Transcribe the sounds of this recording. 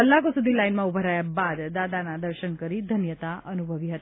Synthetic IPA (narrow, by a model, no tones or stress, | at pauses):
əlːakosud̪ʱilainmãubʱəɾajabad̪ːad̪anad̪əɾʃənkəɾid̪ʱənjət̪aənubʱəʋiɦət̪i